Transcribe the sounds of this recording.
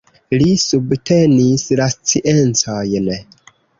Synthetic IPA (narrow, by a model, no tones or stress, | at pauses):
lisubtʰe̞nislast͡siʔent͡sojn